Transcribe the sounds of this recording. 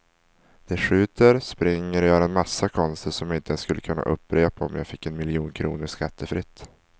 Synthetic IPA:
d̪̥ɛɧʉ̟ːt̪əɾspɾɪŋːəɾjœːɾaɛnmasːakʰɔnst̪ʰəʂɔmjɪnt̪əɛnskɵlːəkʰɵnːa̰ʔɵ̰pːɾeːpaɔmja̰ːɡfɪkːɛnmɪljuːnkʰɾṵːnəʂkʰat̪ʰːəfɾɪt̪ː

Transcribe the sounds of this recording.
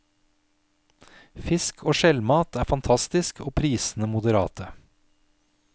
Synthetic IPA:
fɪskʰoːʃɛlmɑːt̪ʰæːfɑnt̪ʰɑst̪ɪskʰoːpʰɾiːsn̩əmʊd̪əɾɑ̰ːt̪ʰə

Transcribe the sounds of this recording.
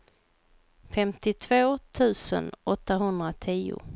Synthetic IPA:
fɛmt̪ɪt̪ʰvoːt̪ʰʉ̟ːsə̰nʔɔt̪ːaɦɵnd̪ɾat̪ʰiːʊ̰

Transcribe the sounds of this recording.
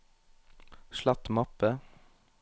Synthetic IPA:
ʃlɑt̪mɑpə

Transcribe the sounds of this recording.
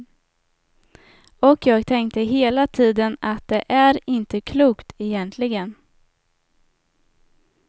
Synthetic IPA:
ɔkjɑːɡt̪ʰɛŋk̚t̪əɦeːlat̪ʰiːd̪ənat̪̚d̪ɛʔæɾɪnt̪əkʰluːkt̪ʰɛjɛnt̪ʰlɪɡən

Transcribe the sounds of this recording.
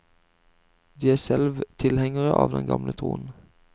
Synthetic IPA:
d̪iːæːsɛlʋt̪ʰɪlhɛŋəʁəʔɑːʋd̪ɛnɡɑmlət̪ʰʁuːn̩

